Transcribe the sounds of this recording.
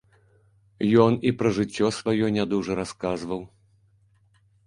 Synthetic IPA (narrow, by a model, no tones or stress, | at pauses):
jɔnipɾɐʐɨt͡sʲːɔsvajɔnʲad̪uʐɐɾaskazvɐw